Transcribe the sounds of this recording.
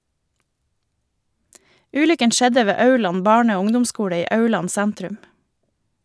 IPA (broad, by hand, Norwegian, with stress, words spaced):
ˈʉːlʏkən ˈʃɛdə ˈʋeː ˈɑʉɭɑn ˈbɑːɳə ˈoː ˈʊŋdʊmˌskuːɽə ˈiː ˈɑʉɭɑn ˈsɛntɾʉm